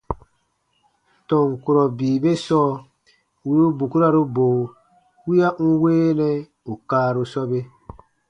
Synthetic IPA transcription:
tɔ˨ŋku˨ɾɔ˨biː˨be˦sɔː˦ | wi˦ɾu˦bu˨ku˦ɾa˨ɾo˦boː˨ | wi˦a˦ʔu˦weː˦nɛ˦ | u˨kaː˦˨ɾo˧sɔ˦be˦

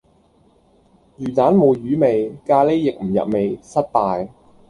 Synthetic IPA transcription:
jyː˨˩t̪aː˨˥nmo˨˧wjyː˨˥me˨˧jkaː˧le˥jjɪ˨k̚m̩˨˩jɐ̰˨p̚me˨jsɐ˥t̚t̪aː˨˧j

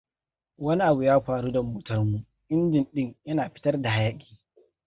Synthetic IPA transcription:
wɐ˦ni˦ʔa˨bu˨jaː˦ɸaː˨ɾu˦dɐ˨mːuː˨tɐ˦rmu˦ | ʔɪ˦ndɪ˨nɗɪ˦ŋjɐ˦naː˨ɸɪ̥˦tɐ˦rda˨ha˦ja˦kʲʼi̥ː˨

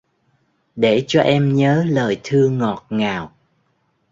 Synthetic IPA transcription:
ɗe˧˩t͡ɕɔ˧ʔɛ˧mɲəː˨˦ləː˨˩jt̪ʰɨ˧əŋɔ˨˩t̚ŋaː˨˩w

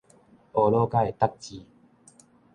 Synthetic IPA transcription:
o˨no˦ka˦e˨t̪a˦k̚t͡ɕi˧˦

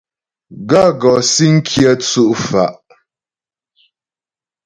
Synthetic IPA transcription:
ɡa˦˨ɡɔ˨si˦ŋ̩˦kʰjə˦t͡su˦ʔfa˨ʔ

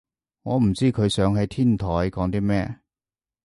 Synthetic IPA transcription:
ŋɔː˨˧m̩˨˩t͡siː˥kʰɵ˨˧ɥsœː˨˥ŋɦɐ˨˧jt̪ʰiː˥nt̪ʰɔː˨˥jkɔː˨˥ŋt̪iː˥mɛː˥˧

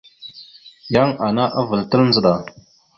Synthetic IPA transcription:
ja˦ŋa˨na˦ʔa˦və˨ltə˦lnzə˨ɗa˨

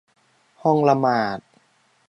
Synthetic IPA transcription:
hɔ˥˩ŋla˧maː˨˩t̪̚

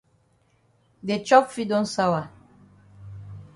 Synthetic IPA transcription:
de˨t͡ʃɔ˦pfi˦dɔ̃˦nsa˦wa˨

